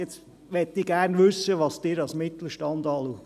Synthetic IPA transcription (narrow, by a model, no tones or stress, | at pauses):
ɛt͡s | ʋɛtːiɡ̥æɾnʋʏsːəʋɑsd̥ɪːɾɑlsmɪt̪l̩ʃtɑnd̥̪ɑːluː